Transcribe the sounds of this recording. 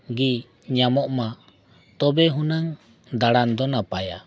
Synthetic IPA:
ɡi | ɲamɔʔma | t̪ɔbɛɦunaŋ | d̪aɽand̪ɔnapaja̰

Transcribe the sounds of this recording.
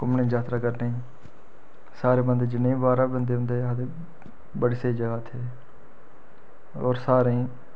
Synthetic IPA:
kʊmnẽːd͡ʒaːt̪ɾaːkəɾneĩː | saːɾeːbənd̪ed͡ʒɪnːẽːbaːɾaːbənd̪eːɦʊ̃nd̪eːad̪e | bəɽseːd͡ʒəɡaːt̪ʰeː | oːɾsaːɾeĩː

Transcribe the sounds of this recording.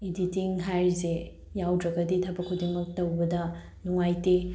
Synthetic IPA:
iditiŋɦajze | jawdɾɐɡɐditʰɐbɐkʰːudimɐk̚tɐwbɐdɐ | nuŋajte

